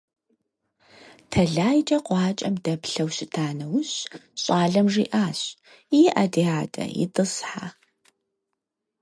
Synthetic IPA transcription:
tʰɐɮaːjt͡ʃʼɐqʷɑːt͡ʃʼɐmdɐpɬɐwɕɪtʰaːnɐwʊɕɕʼaːɮɐmʐḭːʔaːɕ | jiʔɐdiːaːdɐ̰jɪ̰tʼɨsħa̰

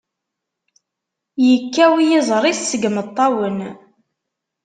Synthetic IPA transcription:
jəkːæwijɪzˤɾˤiθsəɡmət̪ˤːɑwən

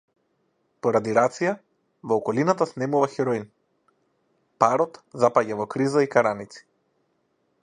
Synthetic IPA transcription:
pɔɾad̪iɾat̪sija | vɔːkɔlinat̪asnɛmuvaxɛɾɔin | paɾɔt̪zapaɟavɔkɾizaikaɾanit̪si̥

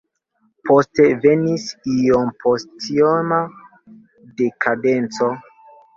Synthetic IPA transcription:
pʰo̞ste̞ve̞nisiompʰostioma | de̞kʰade̞nt͡so̞

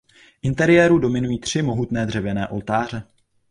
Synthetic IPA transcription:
ʔɪnt̪ɛɾɪjɛːɾudo̞mɪnujiːt̪r̝̥ɪmo̞ɦut̪nɛːd̪r̝ɛvɛnɛːʔo̞̰lt̪aːr̝ɛ

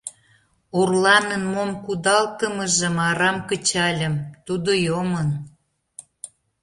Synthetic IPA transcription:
urlɑnənmomkud̪ɑlt̪əməʒə̆mɑɾɑmkət͡ɕɑlʲə̆mt̪ud̪ojomən

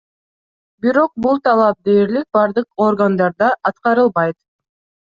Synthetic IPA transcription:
biɾo̞q̚bulˠt̪ʰɑlˠɑp̚d̪eːɾlik̚bɑɾd̪ɯqo̞ɾɡand̪ɑɾd̪ɑʔɑt̪qɑɾɯlˠbɑjt̪

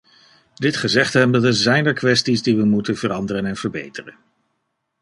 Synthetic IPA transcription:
dɪtχəzɛχtɦɛmddəzɛjnəɹkʋɛstizdiʋəmutənv̥əɾɑndərənɛnv̥əɹbḛjtərən

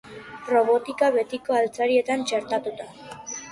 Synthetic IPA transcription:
ro̞βo̞t̪ikaβe̞t̪ikoalt͡saɾie̞t̪ant͡ʃe̞ɾt̪at̪ut̪a

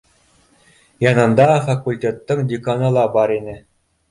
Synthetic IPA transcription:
jɑnɤ̆nd̪ɑfakulʲtʲet̪ːɤŋdʲikanɤ̆lˠɑbɑɾinʲɘ̆

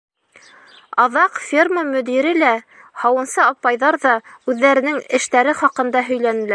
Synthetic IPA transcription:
ɑðɑqfʲirməmɵ̆d̪iɾɘlæ | hɑwɤ̆nsɤɑpɑjðɑɾðɑʉðːæɾɘ̆nɘŋɘ̆ʃt̪æɾɘχɑqɤ̆nd̪ɑɦɵ̆jlænɘ̆læɾ

